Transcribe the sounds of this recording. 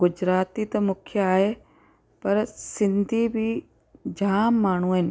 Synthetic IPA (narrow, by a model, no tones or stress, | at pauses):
ɡʊd͡ʑɾaːt̪it̪ɐmʊkʰjəaːɦe | pɐɾsɪ̃nd̪ʱibʱi | d͡ʑʱaːmːaːɳ̤uɦɪnɪ̆